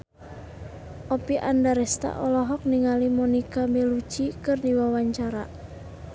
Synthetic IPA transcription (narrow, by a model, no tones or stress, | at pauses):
ʔɔpiʔa̰ndaɾɛst̪a̰ʔɔlɔɦɔk̚niŋalimɔnikamɛlut͡ʃikɨrdiwawaɲt͡ʃaɾa̰